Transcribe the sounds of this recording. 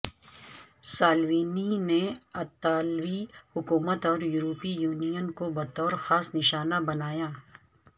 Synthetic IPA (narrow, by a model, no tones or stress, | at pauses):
saːlwiːnineɐt̪aːlwihʊkuːmət̪ɔːɾjʊɾoːpijuːnijənkobɐt̪ɔːɾxaːsnɪʃaːnabɐnaːjaː